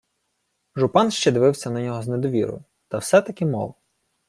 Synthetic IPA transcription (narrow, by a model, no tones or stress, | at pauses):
ʒʊpɑnʃt͡ʃɛd̪ɪʋɪwsʲɐnɐnʲɔɦɔzned̪ɔʋʲḭɾʊ̰ | t̪ɐwsɛt̪ɐkɪmɔ̰wˠ